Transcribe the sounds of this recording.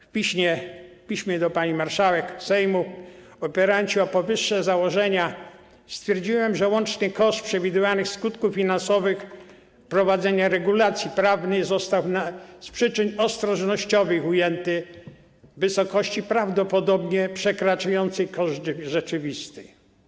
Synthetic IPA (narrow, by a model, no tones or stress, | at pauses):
fpʲiɕɲɛfpʲiɕmʲɛd̪ɔpaɲimaɾʂawɛksɛjmu | ɔpɛɾaɲt͡ɕiɔpɔvɘʂːɛzawɔʐɛɲa | st̪fʲjɛɾd͡ʑiwɛmʐɛwɔnt͡ʂɲɛkɔʂt̪pʂɛvʲid̪ɘvanɘxskut̪kufːʲinãnsɔvɘx | pɾɔvad̪zɛɲaɾɛɡulat̪sʲjipɾavnɘzɔst̪awnaspʂɘt͡ʂɘnʲɔst̪ɾɔʐnɔɕt͡ɕɔvɘxujɛnt̪ɘ | vɘsɔkɔɕt͡ɕipɾavd̪ɔpɔd̪ɔbɲɛpʂɛkɾat͡ʂajɔnt̪sɛkɔʐd̪ʐɛt͡ʂɘvʲist̪ɘ̥